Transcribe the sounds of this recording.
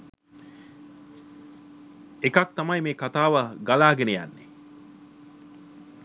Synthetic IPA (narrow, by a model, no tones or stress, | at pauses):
ekak̚t̪amajmeːkat̪aːʋəɡalaːɡeneja̰nːe